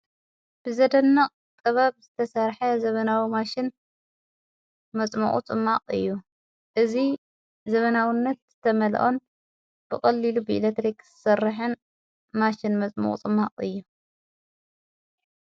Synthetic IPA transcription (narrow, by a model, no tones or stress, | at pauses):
b̥ɨzɐd̪ɐnːɐqʼ | t̪ʼɐβabzɨt̪ʰɐsɐɾħɐzɐβɐnawimaʃɪn | mɐt͡sʼmɐ̰χʼṵt͡sʼɨmːaqʼɨ̰jːu | ʔɨzi | zɐβɐnawinːɐt̪z̥ɨt̪ʰɐmɐl̰ʔon | b̥ɨkʼɐlːilubɨʔilet̪ɾikz̥ɨsɐrːɨħɨn | maʃɪnmɐt͡sʼmo̰χʼt͡sʼɨmːaqʼɨjːu